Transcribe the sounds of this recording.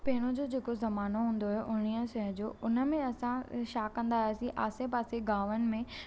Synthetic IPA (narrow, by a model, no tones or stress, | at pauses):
pɐɦɪɽ̃od͡ʑoːd͡ʑeːkozɐmaːnoɦũːn̆d̪oɦeʔʊñiəʃɐɦəd͡ʑoːʊnə̆mẽɐsãʃaːkːɐ̃nd̪aːesĩʔa̰ːsepaːseɡaːʋənɪ̆mẽ